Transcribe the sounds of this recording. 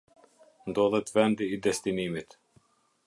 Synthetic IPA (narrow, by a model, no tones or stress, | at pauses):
nd̪ɔlˠɛt̪vɛnd̪iːd̪ɛst̪inimit̪